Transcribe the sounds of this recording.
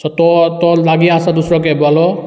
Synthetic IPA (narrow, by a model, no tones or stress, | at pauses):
sʰɔt̪ɔt̪ɔlaɡiãsad̪usɹɔk̬ebɔalɔ